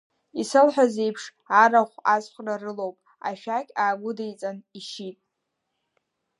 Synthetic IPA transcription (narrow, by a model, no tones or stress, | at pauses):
isɨlħʷaze̞jpʰʂ | aɾaχʷasχʷrarɨlo̞wpʼ | a̰ʃᶣakʲʼaːɡʷʊdejt͡sʼaniʃitʼ